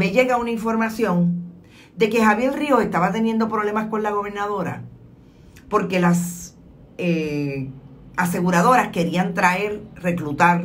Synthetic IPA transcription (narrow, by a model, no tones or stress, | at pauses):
me̞ʝe̞ɣaunaiɱfo̞ɾmasjo̞ŋ | d̪e̞ke̞haβje̞lrio̞he̞st̪aβat̪e̞nje̞nd̪opɾo̞βle̞masko̞nlaɣo̞β̞e̞ɾnaðo̞ɾa̰ | po̞ɾke̞las | e | ase̞ɣuɾaðo̞ɾaskeɾiant̪ɾae̞ɾre̞klut̪aɾ